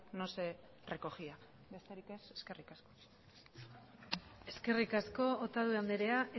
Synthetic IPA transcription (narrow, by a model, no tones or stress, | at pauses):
nose | re̞ko̞xia | be̞st̪eɾike̞seske̞rikasko̞ | e̞ske̞rikasko̞ot̪aðuand̪eɾe̞aʔe